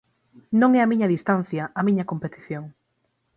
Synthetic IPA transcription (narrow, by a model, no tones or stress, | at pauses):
nõŋɛɐmĩɲɐðist̪an̟θjɐʔɐmĩɲɐkompet̪i̥θjoŋ